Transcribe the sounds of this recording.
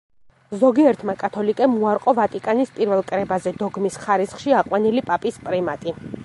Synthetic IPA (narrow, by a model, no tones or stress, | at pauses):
zɔɡiɛɾt̪ʰmakʼat̪ʰɔlikʼɛmuaɾqʼɔvat̪ʼikʼanispʼiɾvɛlˠkʼɾɛbazɛd̪ɔɡmisχaɾisχʃiaqʼwanilipʼapʼispʼɾɛmat̪ʼi